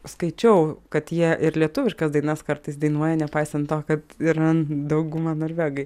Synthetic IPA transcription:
skɐɪt͡ʃʲɛʊkɐt̪jiɛʔɪɾlʲiɛt̪ʊʋʲɪʃkɐsd̪ɐɪnɐskɐɾt̪ɐɪsd̪ɐɪnuɔjɛnʲɛpɐɪsʲɛnt̪t̪oːkɐt̪ɪɾɐnd̪ɐʊɡʊmɑːnoɾʲʋʲæːɡɐɪ

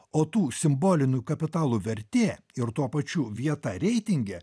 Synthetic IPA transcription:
oːt̪uːsʲɪmboːlʲɪnʲʊjkɐpʲɪt̪ɑːlˠuːʋʲɛɾʲt̪ʲeː | ɪɾt̪uɔpɐt͡ʃʲuːʋʲiɛt̪ɐɾʲɛɪt̪ʲɪŋʲɡʲɛː

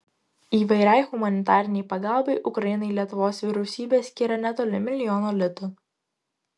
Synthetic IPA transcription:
iːʋɐɪɾʲɛɪɣʊmɐnʲɪt̪ɑːɾʲɪnʲɛɪpɐɡɑˑlˠbɐɪʔʊkɾɐjɪnɐɪlʲiɛt̪ʊʋoːsʋʲɪɾʲɛʊsʲiːbʲeːsʲkʲɪɾɐnʲɛt̪oːlʲɪmʲɪlʲɪjɔːnoːlʲɪt̪ʊ

